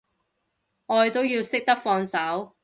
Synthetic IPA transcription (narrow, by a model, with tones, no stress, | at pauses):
ʔɔː˧jt̪o˥wjiː˧wsɪ˥k̚t̪ɐ˥k̚fɔː˧ŋsɐ˨˥w